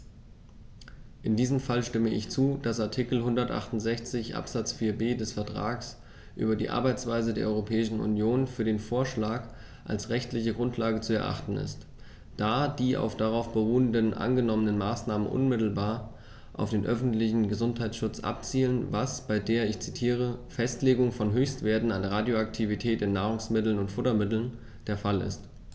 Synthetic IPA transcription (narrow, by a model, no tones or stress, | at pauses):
ʔɪndiːzəmfalʃtɪməɪçt͡suːd̥asaɐtʰikl̩ɦʊndɐtʔa̰χtʊnz̥ɛçt͡sɪçʔa̰pz̥at͡sfiːɐbeːdɛsfɛɐtʁ̥a̰ːks | ʔy̰ːbɐdiːʔa̰ɐbaɪt͡sv̥aɪzədeːɐʔɔ̰ʁopʰɛːɪʃn̩ṵnjoːnfyːɐɾeːnfoːɐʃlaːk | ʔa̰lsʁɛçtlɪçəɡʁʊntʰlaːɡət͡suɛɐʔa̰χtn̩ɪ̰st | d̥aːdiːʔa̰ʊfd̥aʁaʊfb̥əʁuːəndənʔa̰nɡənɔmənənmaːsnaːmənʔʊ̰nmɪtl̩baːɐ | ʔa̰ʊfd̥eːnʔœfn̩tlɪçn̩ɡəzʊnthaɪtsʃʊt͡sʔa̰p̚t͡siːlənvasb̥aɪdeːɐɪçt͡sitʰiːʁ̞əfɛstleːɡʊŋfɔnɦøːçstv̥eːɐtn̩anʁaːdjoaktʰivitʰɛːtɪnːaːʁ̞ʊŋsmɪtl̩nʊntfʊtɐmɪtl̩n | d̥eːɐfalɪ̰st